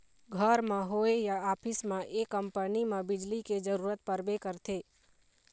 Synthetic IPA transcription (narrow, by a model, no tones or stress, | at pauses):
ɡʱəɾmãɦoejaaːpʰɪsmãʔekːəmpənimãbɪd͡ʒliked͡ʒəɾuːɾət̪̚pəɾbekəɾt̪ʰe